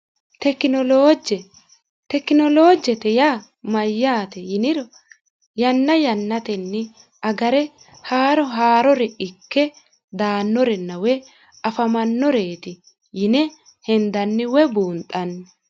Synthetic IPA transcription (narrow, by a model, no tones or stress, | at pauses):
t̪ɛkɪnɔloːd͡ʒɛ | t̪ɛkːɪnɔloːd͡ʒɛt̪ɛjaː | mɐjːaːt̪ɛjɪnɪɾɔ | jɐnːɐjɐnːɐt̪ɛnːɪ | ɐɡɐɾɛ | haːɾɔɦaːɾɔɾɛɪkːɛ | d̪aːnːɔɾɛnːɐwɛ | ɐfɐmɐnːɔɾeːt̪ɪ | jɪnɛ | hɛnd̪ɐnːɪwɛbuːnt̪ʼːɐnːɪ